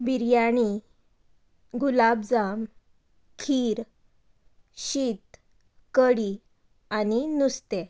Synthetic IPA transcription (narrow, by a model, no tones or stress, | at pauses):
biɾjaɽ̃i | ɡulabd͡zam | kʰiːɾ | ɕiːt̪ | kəɽi | aninust̪e